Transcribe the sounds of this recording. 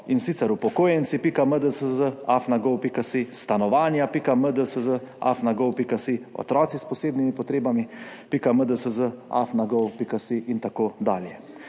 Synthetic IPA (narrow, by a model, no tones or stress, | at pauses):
insit̪sɛɾupɔkoːjɛnt̪sipikaməd̪əsəzəafnaɡɔwpikasist̪anɔʋaːnjapikaməd̪əsəzəa̰fnaɡɔwpikasiɔ̰t̪ɾɔːt̪sispɔseːbnimipɔt̪ɾeːbamipikaməd̪əsəzəa̰fnaɡɔwpikasiʔint̪akoːd̪a̰ːljɛ